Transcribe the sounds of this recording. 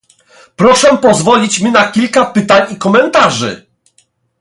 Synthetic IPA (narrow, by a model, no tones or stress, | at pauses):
pɾɔʂɛpɔzvɔlʲit͡ɕmʲinakʲilkapɘt̪aɲikɔmɛnt̪aʐɘ̰